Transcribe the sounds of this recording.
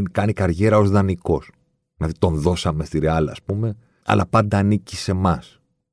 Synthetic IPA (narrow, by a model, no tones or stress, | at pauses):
nkɐnikɐɾʝe̞ɾɐozðɐniko̞s | inɐðit̪o̞nðo̞sɐme̞st̪iɾeɐlɐ̰ːspume̞ | ɐ̰lʔɐ̰pɐnd̪ɐːnicise̞mɐs